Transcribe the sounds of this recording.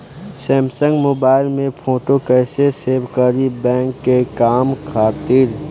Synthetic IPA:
sɛ̃ːmsə̃ŋɡmoːbaːɪlmẽpʰoːʈokəseseːbkəɾibɛ̃ːŋkːekaːmkʰaːt̪ɪɾ

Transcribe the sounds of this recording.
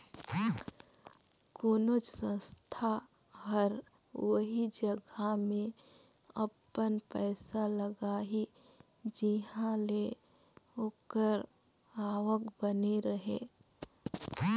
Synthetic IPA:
koːnot͡ʃsə̃st̪ʰa | ɦəɾ | ʋəɦid͡ʒəɡamẽ | əpːənpɛːsaləɡaːi | d͡ʒiɦãle | oːkəɾ | aːʋəkbəneɾəɦḛ

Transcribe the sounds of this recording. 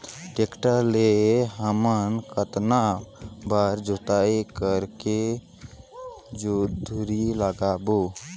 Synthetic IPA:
ʈekʈəleɦəmənkət̪nabaːɾd͡ʒot̪aekəɾke | d͡ʒod̪ʱuɾiləɡaːbo

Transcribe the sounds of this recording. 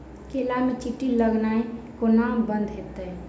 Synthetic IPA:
keːlamẽt͡ʃiʈːiləɡnaːi | konaːmbənd̪ɦet̪ə

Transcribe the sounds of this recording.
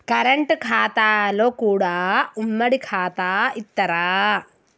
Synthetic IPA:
kɐɾɐɳʈkʰaːt̪aːlo̞ːkuːɽaːumːɐɽikʰaːt̪aːit̪ːɐɾaː

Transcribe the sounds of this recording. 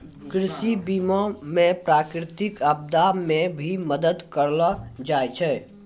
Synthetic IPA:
kɾɪʃibiːmomẽpɾaːkɾɪt̪ɪkəb̚d̪amẽbʱiməd̪əd̪kəɾlad͡ʒaːjt͡ʃʰɛː

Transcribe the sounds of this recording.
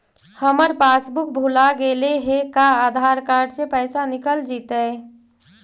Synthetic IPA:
həməɾpaːsbʊk̚bʱulaɡeleɦekaaːd̪ʱaːɾkaːɾɖsepɛɪsanɪkəld͡ʒit̪əɪ

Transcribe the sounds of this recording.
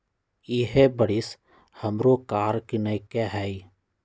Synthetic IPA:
ɪɦebəɽɪs | həmɾokaːɾkinəɪkeɦɛi

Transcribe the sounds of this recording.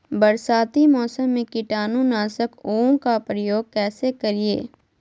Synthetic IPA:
bɐɾsaːt̪imɔːsəmːẽkɪʈaːnũnaːsəkoːõkapɾəjoːɡ̚kɛːsekɐɾiḛː

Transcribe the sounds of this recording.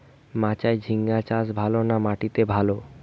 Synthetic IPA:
mãt͡ɕaed͡ʑʱiŋːat͡ɕasbʱalonamaʈit̪ebʱalo

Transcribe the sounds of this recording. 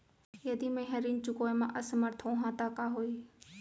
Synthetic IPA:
jəd̪iːmẽɦəɾiːnt͡ʃʊkoːjmã̰ːʔəsməɾt̪ʰõɦãːt̪aːkaːɦoːiː

